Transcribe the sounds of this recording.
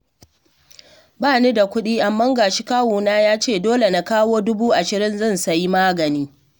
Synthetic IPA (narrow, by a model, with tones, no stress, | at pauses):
baː˦˨neː˦da˨kʷʊ˦ɗiː˦ʔa˨mːɐ˦ŋɡaː˨ʃi˦kaː˦wuː˨naː˦jaː˦t͡ʃeː˦˨doː˦le˨na˦kaː˦woː˦dʊ˦buː˦ʔa˨ʃɪ˨ɾɪ˦nzɐ˦˨nsɐ˨ji˦maː˦ɡɐ˨niː˦